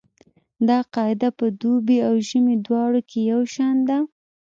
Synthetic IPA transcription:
d̪ɑqɑɪd̪apəd̪ubeawʒəmed̪wɑɽokʰejawʃɑnd̪a

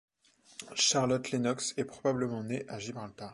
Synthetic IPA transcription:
ʃaʁlɔt̪lenɔksɛpχɔbabləmɑ̃neʔaʒibʁalt̪a

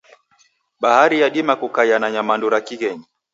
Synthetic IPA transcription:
ɓahaɾijaɗimakukajanaɲamanduɾakiɣɛɲi

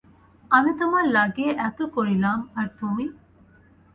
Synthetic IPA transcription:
ɐmit̪ɐmɐlɐɡeːʔæt̪ukuɾilaːmɐɾt̪ũːʋi

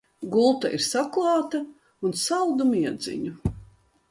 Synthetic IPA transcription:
ɡulˠt̪a̰ʔiɾsaklˠɑːt̪ɐ | unsalˠd̪umiɛd̪zḭɲu

